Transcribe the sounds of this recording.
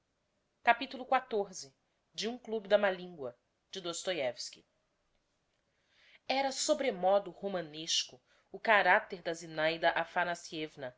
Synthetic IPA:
kapit̪ulʊkwat̪oɾzɪ | d͡ʒɪũklubɪd̪ɐmalĩŋɡwɐ | d͡ʒɪd̪ost̪ojɛvski | ɛɾɐsobɾemɔd̪ʊhomɐ̃neʃkʊ | ʊkaɾat̪eɾd̪ɐzinajd̪ɐʔafanasiɛvnɐ

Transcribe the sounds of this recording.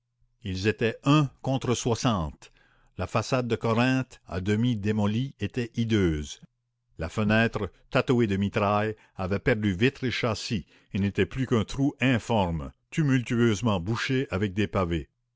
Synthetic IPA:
ilzet̪ɛœ̃kɔ̃t̪ʁəswasɑ̃ːt̪ | lafasad̪̚ːəkɔʁɛ̃t̪a̰d̪əmid̪emɔliet̪ɛid̪øːz | lafənɛːt̪ʁət̪at̪oed̪əmit̪ʁaj | avɛpɛʁd̪yvit̪ʁeʃasi | ilnet̪ɛplykɛ̃t̪ʁuɛ̃fɔʁmt̪ymylt̪yøzmɑ̃buʃeʔavɛk̚d̪epave

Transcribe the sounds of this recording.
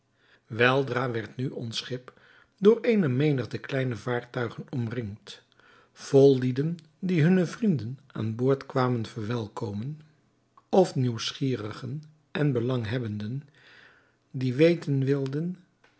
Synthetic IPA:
ʋɛlˠdraːʋɛɹtnyʔɔnsχɪp | dʊːɹejnəmejnəχdəklɛjnəvaːɹtœɥχənɔmrɪŋt | v̥ɔlˠːidən | diɦɵnəvrindəna̰ːnbʊːɹtkʋaːmənvəɹʋɛlˠkowmən | ɔfniwsχiːrəχən | ʔɛnbəlɑŋɦɛbəndən | diʋejtənʋɪlˠdən

